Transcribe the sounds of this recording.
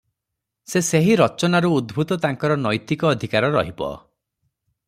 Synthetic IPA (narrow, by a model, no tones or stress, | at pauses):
seseɦiɾɔt͡ʃɔnaɾuːd̪bʱut̪ɔt̪aŋkɔɾɔnɔjt̪ikɔːd̪ʱikaɾɔɾɔ̰ɦibɔ̰